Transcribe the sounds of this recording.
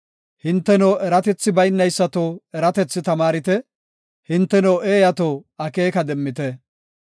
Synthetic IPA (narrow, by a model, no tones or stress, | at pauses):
hɪnt̪ːɛnowʔɛɾɐt̪ɛt͡sːɪbɐjnːɐjsːɐt̪oːɛɾɐt̪ɛt͡sːɪt̪ɐmaːɾɪt̪ɛ | hɪnt̪ːɛnoweːjɐt̪oːɐke̞ːkɐd̪ɛmːɪt̪ɛ